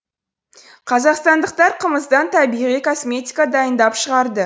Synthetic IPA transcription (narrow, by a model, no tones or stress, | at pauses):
qʰɑzɑqst̪ɑnd̪əq̚t̪ɑɾqʰəməzd̪ɑnt̪ʰɑbiʁijkʰo̞smʲe̞t̪ʲikad̪ɑjənd̪ɑpʃəʁɑɾd̪ə